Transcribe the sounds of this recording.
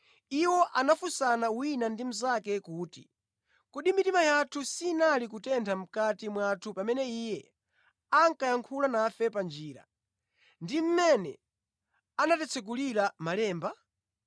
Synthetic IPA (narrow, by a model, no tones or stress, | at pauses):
iwɔʔanafusanawinandim̩zakɛkuːtḭ | kɔɗimitimajatʰusinalik̬utɛntʰam̩katimwatʰupamɛnɛijɛ | aŋkajaŋkʰulanafɛpand͡ʒiːɾa̰ | ndim̩mɛnɛ̰ | anatɛt͡sʰɛk̬uliɾamalɛːmba